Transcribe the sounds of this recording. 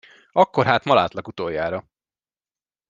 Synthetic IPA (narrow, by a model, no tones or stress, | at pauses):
ɒkːo̞ɾɦaːt̪mɒla̰ːt̪lɒkut̪oːjːaːɾɒ